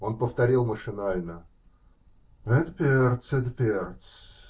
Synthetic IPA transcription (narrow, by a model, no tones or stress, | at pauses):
o̞npəft̪ɐɾʲilˠməʂɨnalʲnə | ɛt̪pʲert̪sɛd̪pʲert̪s